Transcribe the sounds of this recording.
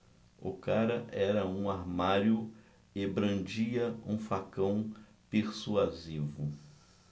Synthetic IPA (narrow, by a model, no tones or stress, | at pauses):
ʊ̰kaɾɐʔɛɾɐũaɾmaɾjʊ | ɪbɾɐ̃d͡ʒiɐũfakɐ̃w̃ | peɾsuazivʊ